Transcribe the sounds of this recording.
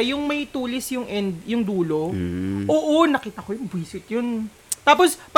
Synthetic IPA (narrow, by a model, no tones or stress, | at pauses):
ɐjʊŋmɐjt̪uːlɪsjʊŋʔɛnd̪jʊŋd̪uːlo̞ʔoːʔonɐkiːt̪ɐkojʊŋbiːsɪt̪jʊn | t̪aːpospɐ